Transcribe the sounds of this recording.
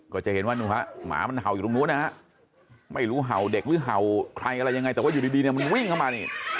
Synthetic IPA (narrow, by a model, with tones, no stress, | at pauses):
kɔː˧˩t͡ɕa˨˩he˩˦nwaː˥˩nuː˧˩ha˦˥ʔma̰ː˨˩˦ma˧nɦa̰˨˩wi˨˩lo˧ŋnuː˧˦˥na˦˥˩ha˦˥ʔ | ma˥˩jɾuː˦˥ɦa˨˩wde˨˩k̚ɾɯː˨˦˥ɦa˨˩wkʰɾa˧jʔa˧ɾa˧jːa˧ŋa˧jt̪ɛː˨˩wa˥˩˨uː˨˩diː˧diː˧ni˥˩ma˧nwi˥˩ŋkʰa˥˩wmaː˧ni˧˩